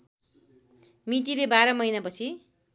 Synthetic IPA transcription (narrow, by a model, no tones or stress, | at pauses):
mit̪̬iɾebaɾʌmʌjnapʌt͡sʰi